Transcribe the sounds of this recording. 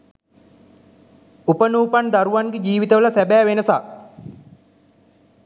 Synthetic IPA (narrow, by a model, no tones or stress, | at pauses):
upənuːpand̪aɾuʋanɡed͡ʒiːʋit̪əʋələsæbæːʋenəsa